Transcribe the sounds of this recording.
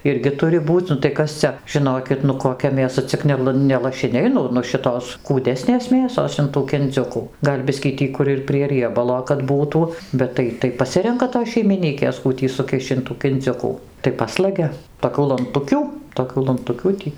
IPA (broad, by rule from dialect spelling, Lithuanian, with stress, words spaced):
ˈɪrʲɡʲɪ ˈtʊrʲɪ ˈbuːt͡sʲ nʊ tɐɪ ˈkɐs t͡sʲɛ ʒʲɪˈnoːkʲɪt nʊ koːˈkʲɛ mʲeːˈsɐ t͡sʲɪk ˈnʲɛlˠ nʲɛ lˠɐʃʲɪˈnʲɛɪ ˈnʊ nʊ ˈʃʲɪtoːs kuːˈdʲæːsʲnʲeːs ˈmʲeːsoːs ɪn ˈtuː kʲɪnʲˈd͡zʲʊkuː ˈɡɐlʲ ˈbʲɪsʲkʲiː ˈtʲiː kʊr ɪr pʲrʲiɛ rʲiɛˈbɑːlˠoː kɐt ˈbuːtuː ˈbʲɛt tɐɪ tɐɪ pɐˈsʲɪrʲɛŋkɐ toːs ʃʲɛɪmʲɪˈnʲiːkʲeːs ˈkuː tʲiː sʊˈkʲɪʃʲt͡ʃʲ ɪn ˈtuː kʲɪnʲˈd͡zʲʊkuː tɐɪ ˈpɑːslˠɐɡʲɛ toːˈkʲuː lˠɐnˈtʊkʲuː toːˈkʲuː lˠɐnˈtʊkʲuː tʲiː